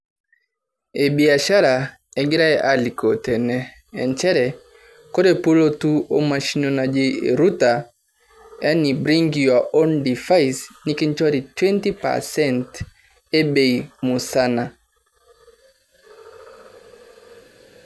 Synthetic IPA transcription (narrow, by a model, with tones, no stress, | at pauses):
e˨bi˨a˨ʃa˦ɾa˨ | ɛ˨ɡi˦ɾa˦ɛ˦ʔali˨kɔ˨tɛ˨nɛ˨ | ɛ̰˨nt͡ʃɛ˦ɾɛ | kɔ˦ɾɛ˨po˦lɔ˦tu˦ɔ˦ma˨ʃi˦nɔ˨na˨d͡ʒi˦˨ɾu˦ta˨ | ja˦ni˨bɾi˦ŋɡia˨ɔ˦ndi˨fajsni˦ki˦nt͡ʃwa˦ɾi˨twɛ˦nti˦pa̰˨sɛ˦nt | ɛ˦be˨imu˨sa˦na˨